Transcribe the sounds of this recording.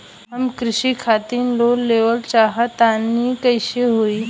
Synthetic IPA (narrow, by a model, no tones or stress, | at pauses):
ɦəmkɾɪɕiːkʰat̪iːnlolːeʋəlt͡ɕaɦat̪anikəjɕeɦoi